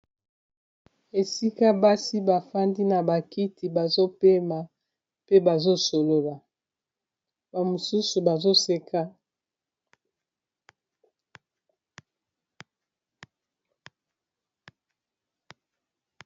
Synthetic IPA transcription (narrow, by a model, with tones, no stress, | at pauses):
e˨si˦ka˦ba˦si˦ba˨fa˦ndi˦na˨ba˨ki˦tʰi˨ba˨zo˦pe˦ma˨ | pe˦ba˨zo˦so˨lo˦la˨ | ba˨mo˨su˦su˨ba˨zo˦se˦ka˦